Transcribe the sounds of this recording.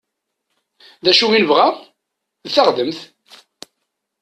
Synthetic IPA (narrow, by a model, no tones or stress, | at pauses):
ðæʃuinəvʁaʁ | ðθaχd̪əmθ